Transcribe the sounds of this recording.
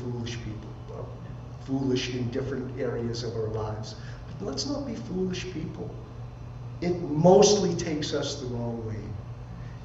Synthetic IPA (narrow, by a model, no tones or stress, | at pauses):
fulˠɨʃpʰipl̩ˠ | ʌ | fulˠɨʃɨ̃ndɪfɹɨ̃ntɛɹiɨzʌvaʊə˞laɪvz̥ | b̥ʌtlətsnət̚b̥ifulˠɨʃpʰipʰl̩ˠ | ɨt̚moʊstˡlitʰeɪksʌsðəɹɔ̃ʊ̃ŋweɪ